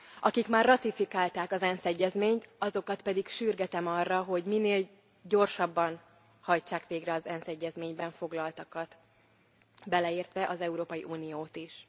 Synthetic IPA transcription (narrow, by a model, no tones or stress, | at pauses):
ʔɒkikmaːrːɒt̪ifikaːlt̪aːkɒzɛnsɛɟːɛzmeːɲt̪ɒzo̞kɒt̪pɛd̪ikʃyrɡɛt̪ɛmɒrːɒɦo̞ɟmineːl | ɟo̞rʃɒbːɒn | hɒjt͡ʃaːkʋeːɡrɛɒzɛnsɛɟːɛzmeːɲbɛɱfo̞ɡlɒlt̪ɒkɒt̪ | bɛlɛiːrt̪ʋɛʔɒzɛuɾoːpɒjḭʔuːnijoːt̪iʃ